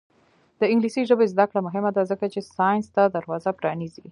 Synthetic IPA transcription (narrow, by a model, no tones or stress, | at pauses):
d̪̥əɪŋɡlisiʒəbezd̪akɽamʊɦɪmad̪azəkat͡ʃesɑjnst̪ad̪aɾwɑzapɾɑnizi